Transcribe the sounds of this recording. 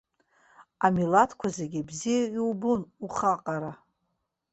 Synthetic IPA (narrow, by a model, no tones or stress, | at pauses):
amilatʰkʷʰazeɡʲibzijaiwbunuχaqʼaɾa